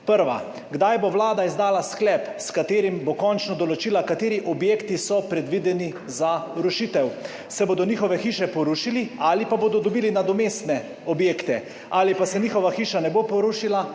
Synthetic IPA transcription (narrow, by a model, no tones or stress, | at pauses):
pəɾʋa̰ | ɡd̪ajboʋlaːd̪aizd̪aːlasklɛpskat̪eːɾimbokɔnt͡ʃnɔd̪ɔlɔt͡ʃiːlakat̪eːɾiʔɔbjeːkt̪isɔpɾɛd̪ʋid̪ɛni | zaɾuʃit̪ɛw | sɛboːd̪ɔnixɔʋɛxiːʃɛpɔɾuʃiliaːlipaboːd̪ɔd̪ɔbiːlinad̪ɔmeːst̪nɛ | ɔbjeːkt̪ɛ | aːlipasɛniːxɔʋaxiːʃanɛbopɔɾuʃila